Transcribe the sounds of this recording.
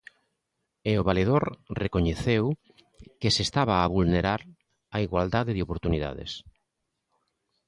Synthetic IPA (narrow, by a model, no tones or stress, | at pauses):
eoβaleð̞oɾrekoɲeθew | kesest̪aβ̞aːβulneɾaɾ | aiɣwald̪aðeðɪopoɾt̪uniða̰ðḛs